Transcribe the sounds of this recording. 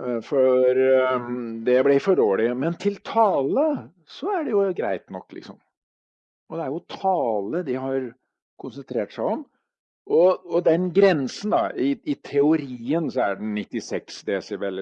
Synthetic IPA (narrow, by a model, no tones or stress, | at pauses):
fɔɾ | d̪ɛblɪfɔɖoːlɪmɛnt̪ʰɪlt̪ʰɑːlə | sɔæɖɛjʊɡɾæ̰ɪt̪nɔkːlɪ̰ksɔm | ɔd̪ɛæɾjʊt̪ʰɑːləd̪ɪɦɑɾ | kʰʊnsənt̪ʰɾeːʈsæɪɔm | ɔɔd̪ɛnɡɾɛnsənd̪ɑ̰ɪɪt̪ʰɛʊɾiːənsɔæɖɛnnɪt̪ːɪsɛksd̪esɛʋɛlː